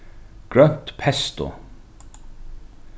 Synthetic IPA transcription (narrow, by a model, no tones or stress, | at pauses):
ɡ̥ɹœn̥t̪pʰɛst̪ʊ̰